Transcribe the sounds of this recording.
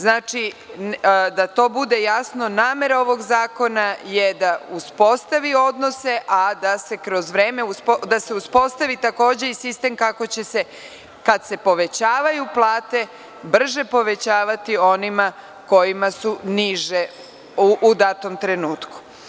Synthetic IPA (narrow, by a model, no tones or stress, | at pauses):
znaːt͡ʃi | d̪at̪o̞ːbud̪e̞jasno̞naːme̞ɾao̞ʋo̞ɡzaːko̞naje̞d̪auspo̞st̪aʋio̞d̪no̞se̞ʔad̪ase̞kɾo̞zʋɾeːmeuspd̪ase̞uspo̞st̪aʋit̪ako̞ːd͡ʑe̞isist̪e̞mkako̞t͡ɕe̞se | kad̪se̞po̞ʋe̞t͡ɕaːʋajuplˠaːt̪e̞ | br̩ʒe̞po̞ʋe̞t͡ɕaːʋat̪io̞nima | ko̞jimasuniʒe | ʔːd̪at̪omt̪ɾe̞nuːt̪ku̥